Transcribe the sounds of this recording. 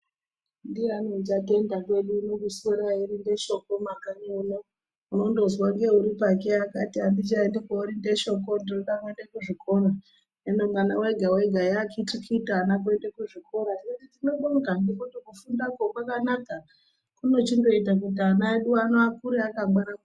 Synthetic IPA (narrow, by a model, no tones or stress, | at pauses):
ndianot͡ʃate̞ndakwe̞ɗuːnokusoɾaiɾinde̞ʃo̞komakaɲeno | uno̞ndozwauŋɡe̞uɾipakeakatiandit͡ʃaendekouɾindeʃo̞ko̞ndinoɗake̞ndekuʐikʰo̞ra | enomanawe̞ɡʱawe̞ɡʱajakitikʰitːnak̬uendekuʐiko̞ɾanikotitino̞ɗoŋɡandikotokufundakokwakanaka | kuno̞t͡ʃindo̞itak̬ut̬ianaeɗuanoakuɾeakaɡanaku